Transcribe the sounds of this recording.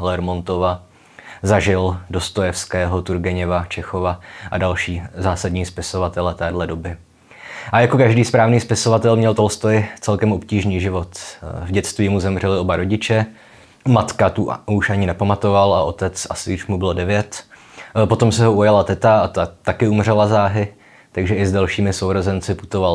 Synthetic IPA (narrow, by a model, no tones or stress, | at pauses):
lɛɾmo̞nt̪o̞va | zaʒɪldo̞st̪ojɛfskɛːɦo̞t̪uɾɡɛɲɛvat͡ʃɛxovaʔadalʃiːzaːsadɲiːspɪso̞vat̪ɛlɛt̪ɛːdlɛdobɪ | ʔajako̞kaʒdiːspɾaːvniːspɪso̞vat̪ɛlmɲɛlt̪o̞lst̪ojɪt͡sɛlkɛmʔo̞pciːʒniːʒɪvo̞t̪vɟɛt͡st̪viːmuzɛmr̝ɛlɪo̞baɾo̞ɟɪt͡ʃɛ | mat̪kat̪uuʃʔaɲɪnɛpamat̪o̞valaʔo̞t̪ɛt͡sasɪjɪʃmubɪlodɛvjɛt̪ | po̞t̪o̞msɛɦo̞ujalat̪ɛt̪aat̪at̪akɪumr̝ɛlazaːɦɪ | t̪aɡʒɛʔɪzdalʃiːmɪsowɾozɛnt͡sɪput̪o̞val